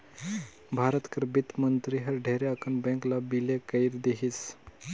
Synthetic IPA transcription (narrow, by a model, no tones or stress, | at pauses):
bʱaɾət̪kəɾbit̪mənt̪ɾiɦəɾɖʱeɾeakəɳbɛ̃ŋklabilekəiɾd̪eɦiːs